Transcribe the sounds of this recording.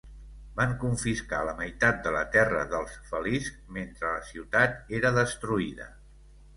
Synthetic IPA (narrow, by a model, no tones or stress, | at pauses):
baŋkuɱfiska̰ləməjt̪at̪̚d̪ələt̪ɛrə̰ðəlˠsfəliskment̪ɾələsiwt̪at̪eɾəðəst̪ɾuiðə̰